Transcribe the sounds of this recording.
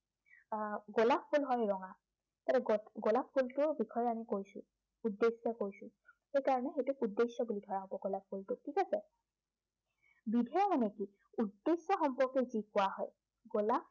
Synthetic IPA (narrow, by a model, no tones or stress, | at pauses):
ɡolap̚ʰːulɦɔjɹɔŋa | tatɛɡɡolapʰːultʊɹbikʰɔjamikojsʊ̰̃ | udːesɛkojsʊ̃xejkaɹɔnɛxejtʊkudːesːɔbulidʱɔɹaɦɔ̃pɔɡolap̚ʰːultʊtʰikasɛ | bidʱɛɔmanɛki | udːesːɔxɔmpɔɹkɛzikʊwaɦɔ̰j | ɡolap